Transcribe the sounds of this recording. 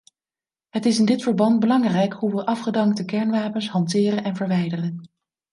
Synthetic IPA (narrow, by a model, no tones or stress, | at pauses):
ɦətɪsɪndɪtfəɹbɑnd̚bəlɑŋrɛjkɦuʋəʔɑfχədɑŋk̚təkɛɹnʋaːpənsɦɑntɪːrənɛnvəɹʋɛjdərən